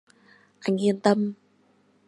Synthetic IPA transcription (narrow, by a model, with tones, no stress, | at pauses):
ʔa˨˩ŋi˧˩ənt̪ə˧m